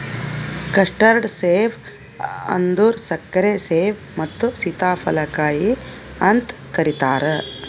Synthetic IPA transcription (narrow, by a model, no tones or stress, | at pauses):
kɐʂʈɐɾɖseːʋ | ɐ̰nd̪uːɾsɐkːɐɾeseːʋ | mɐt̪ːusit̪aːpʰɐlɐkaːji | ɐnt̪kɐɾit̪aːɾə